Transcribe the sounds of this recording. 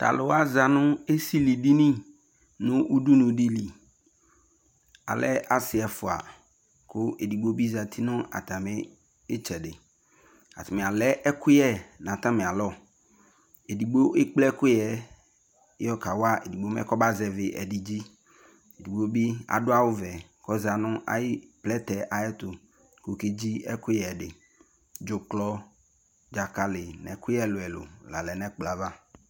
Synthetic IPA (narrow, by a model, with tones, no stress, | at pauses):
t̪a̰˨lʊ˨wa˦za˨nʊ̃˦e˦si˦li˨di˦nĩ˦ | nʊ̃˦ʔu˦du˦nʊ̃˨di˦li˨ | a̰˨lɛ̰˦ʔa˨sɪ˨ɛ˨fʊ˨a̰˨ | kʰʊ˦ʔe˨di˨ɡ͡bo˦bi˦za˨t̪ʰi˦nʊ̃˦a̰˨t̪a˨mɪ˦ | ɪ˦t͡ʃɛ˨dɪ˨ | a̰˨t̪ɪ˨mɪ̃˨a˨lɛ˦ʔɛ˦kʰʊ˦jɛ˦nã˨t̪ã˦mɪ̃˨a˨lɔ˦˨ | e˨di˨ɡ͡bo˦ʔe˦k͡plɛ˦kʊ˦jɛ˦ | ɔ˦ka˨wa˦ḛ˨di˨ɡ͡bo˦ɛ̰˦kɔ˦ba˦zɛ˨vɪ˨ʔɛ̰˨di˨d͡ʑi˦ | e˨di˨ɡ͡bo˦bi˦a̰˨dʊ˦a˦wʊ˦vɛ˨kɔ˦za˨nʊ̃˦ʔa̰˨ji˦plɛ˦t̪ɛ˨ʔa˨jɛ˦t̪ʊ˨ | ko˨ke˦d͡ʑi˦ɛ˦ku˦ɛ˨ɖɪ˨ | d͡ʒo˨klɔ˦ | d͡ʒa˨ka˨lɪ˨nɛ̰˨ku˦ɛ˦lʊ˨ɛ˨lʊ̰˨la̰˨lɛ˨nɛ̃˦k͡pla˨va˦